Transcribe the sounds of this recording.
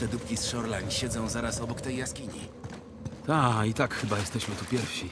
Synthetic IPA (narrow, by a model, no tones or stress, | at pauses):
t̪ɛd̪upkʲisʂɔɾlaɲɕɛd̪zɔ̃w̃zaɾasɔbɔkt̪ɛjːaskʲiɲḭ | t̪ait̪akxɘbajɛst̪ɛɕmɘt̪upʲjɛɾfɕi